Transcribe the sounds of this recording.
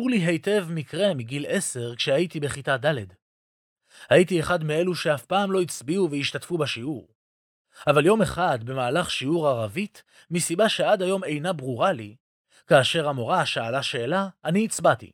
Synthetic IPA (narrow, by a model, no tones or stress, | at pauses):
uʁliɦe̞jte̞vmikʁe̞miɡile̞se̞ʁkʃehajitibeχitad̪aled | hajitieχadmee̞luʃe̞afpaːmlo̞it͡sbiuvejiʃtatfubaʃiuʁ | avaljo̞meχad̪be̞maːlaχʃiuʁaʁavit | misibaʃe̞ad̪ajo̞me̞jnabʁuʁali | kaːʃe̞ʁamo̞ʁaʃaːlaʃe̞ːlaːniːt͡sbatḭ